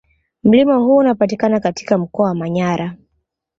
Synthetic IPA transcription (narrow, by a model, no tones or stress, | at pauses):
m̩limahuːnapatikanakati̥kam̩kɔawamaɲaɾa